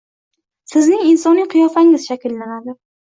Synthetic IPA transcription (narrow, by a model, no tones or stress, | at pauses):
sɪznɪŋɪnsɒnːɪŋqʰɨjɒfaŋɪz̥ʃakʲɪlːanad̪ɪ